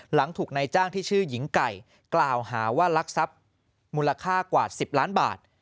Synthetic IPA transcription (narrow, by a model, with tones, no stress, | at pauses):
la˩˦ŋt̪ʰuː˨˩k̚na˧jt͡ɕaː˥˩ŋt̪ʰiː˥˩t͡ɕʰɯː˥˩ji˩˦ŋka˨˩j | klaː˨˩whaː˩˦waː˥˩la˦˥k̚sa˦˥p̚ | muː˧la˧kʰaː˥˩kwaː˨˩si˨˩p̚laː˦˥nba̰ː˨˩t̪̚